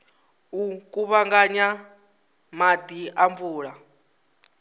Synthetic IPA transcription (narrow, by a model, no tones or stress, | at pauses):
ukʼuβaŋɡaɲa | mad̪iaɱvuːɺa